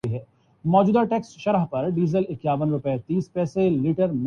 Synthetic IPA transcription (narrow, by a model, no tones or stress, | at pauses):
iɦɛː | mɔːd͡ʒuːd̪aʈɛːksʃɐɾəɦpɐɾɖiːzəlɪkjaːʋənɾʊpɛt̪iːspɛːseliːʈəɾm